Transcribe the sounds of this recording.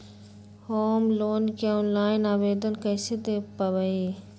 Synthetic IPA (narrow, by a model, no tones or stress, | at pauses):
hoːmloːnkaoːnlaːɪnaːbeːd̪ənkɐjsed̪epɐʋɐeː